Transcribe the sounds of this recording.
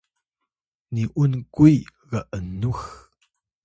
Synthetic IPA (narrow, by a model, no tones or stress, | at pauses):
niʔunkuj | ɣaʔənux